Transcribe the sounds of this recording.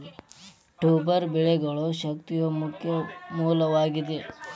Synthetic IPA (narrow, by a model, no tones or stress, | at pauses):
ʈuːbɐɾbɛɭeɡɐɭoʃɐkt̪ijɐkʰjɐmuːlɐʋaːɡid̪e